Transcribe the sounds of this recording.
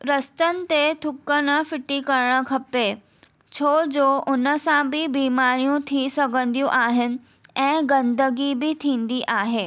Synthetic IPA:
ɾɐst̪ənɪ̆t̪et̪ʰʊkənəfɪʈikɐɾəɽ̃ə̆kʰɐpe | t͡ɕʰoːd͡ʑoːʔʊnəsãbɪbiːmaːɾijũt̪ʰisɐɡʱə̃nd̪ijũʔaːɦɪnɪ̆ | ɛ̃ːɡɐ̃nd̪əɡibɪt̪ʰĩːn̆d̪iʔaːɦeː

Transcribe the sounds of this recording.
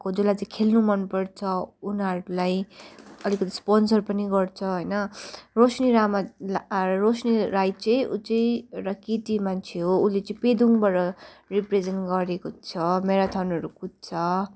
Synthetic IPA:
kod͡zulajt͡sʌ̃kʰelnumʌnpʌrt͡sʰʌunʌɾulajʌlikʌt̪ʰi̥sponsʌrpʌniɡʌrt͡sʰʌɦʌjnʌrosniɾama | rosniɾajt͡sʌjʔṵt͡sʌj̃rʌkitimant͡sʰeɦoulet͡sʌ̃ĩped̪uŋbʌɾʌripred͡zenʈɡʌɾekot͡sʰʌmeɾat̪ʰanʌɾukut̪̚t͡sʰʌ

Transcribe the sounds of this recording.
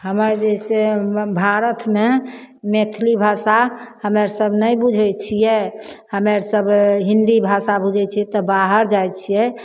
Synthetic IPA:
ɦəməɾd͡ʒesebʱaɾət̪memet̪ʰlibʱasahəmeɾsəbnəjbud͡ʒʱɛt͡ʃʰijɛhəmeɾsəbɦind̪ibʱasabud͡ʒʱɛt͡ʃʰit̪ɔbaɦəɾd͡ʒajt͡ʃʰijɛ

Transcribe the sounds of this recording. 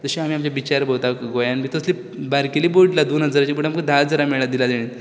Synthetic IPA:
d͡z̪əɕiamiːamt͡ɕjabit͡ɕaɾbowt̪akɡojãnbit̪əsli | baɾkeliːboʈlad̪unəd͡zəɾat͡ɕiboʈamkəd̪ʱad͡zəɾamɛɭad̪ilad̪eɽ̃ẽ

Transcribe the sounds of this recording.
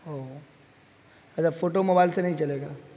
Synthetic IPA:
ɦo | ɐt͡ʃʰafoːʈomoːbaːɪlsenɐɦĩt͡ʃɐleːɡaː

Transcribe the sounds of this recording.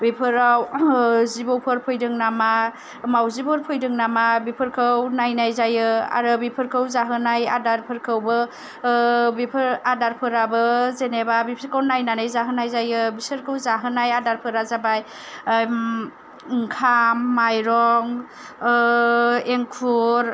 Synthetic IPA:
bipʰɯɾawzibowpʰɯɾpʰɔjdɯŋnama | mawzibɔɾpʰɯjdɯŋnamabipʰɯɾkʰɯwnajnajzajɯa̰ɾɯbipʰɯɾkʰɯwzaɦɯnaja̰daɾpʰɯɾkʰɯwbɯ | bipʰɯɾadaɾpʰɯɾabɯzenebabipʰɯɾkʰɯwnajnanajzaɦɯnajzajɯbisɯɾkʰɯwzaɦɯnajadaɾpʰɯɾazabaj | ŋkʰamːajɾɔŋ | eŋkʰuɾ

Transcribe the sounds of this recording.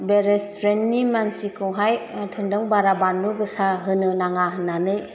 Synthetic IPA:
beɾestɾennimansikʰɯwɦajtʰɯŋdɯŋbaɾabanːɯɡɯsaɦɯnɯnaŋaɦɯnːanɯj

